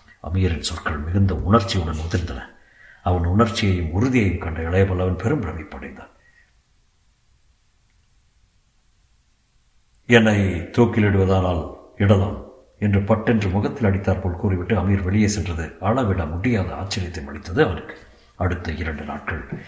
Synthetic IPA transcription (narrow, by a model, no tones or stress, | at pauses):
ɐ̰miːɾɪnsɔrkɐɭmɪɣɐnd̪ɐʔʊɳɐɾt͡ʃːiʊɽɐnɔðɪɾɯnd̪ɐnɐ̰ | ɐʋɐnʊɳɐɾt͡ʃːɪjɐjɯmʊɾɯðɪjɐjɯmkɐɳɖɐɛɭɐjɐpɐːɭɐʋɐnpɛɾɯmɾɐmɪpːɐɽɪ̰nd̪a̰ːn | ɛnːɐɪt̪oːkːɪlɛɽɯʋɐðaːnaːlɪɽɐðaːl | ɛndrɯpɐʈːɛndrɯmʊɣɐt̪ːɪlɐɽɪt̪ːaːɾpoːɭkuːriʋɪʈːɯɐmiːɾʋɛɭɪjeːsɛndrɐðɯɐɭɐʋɪɽamʊɽɪjaːðɐ̰a̰ːt͡ʃːɐɾɪjɐt̪ːɐɪmɐɽɪt̪ːɐðɯɐʋɐnɯkːɯ̥ | ɐɽɯt̪ːɐɪɾɐɳɖɯna̰ːʈ̚kɐɭ